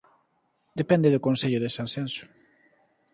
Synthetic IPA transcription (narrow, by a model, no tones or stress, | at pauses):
d̪epɛnd̪eðʊkõnseʎʊðesãnsɛnsu̥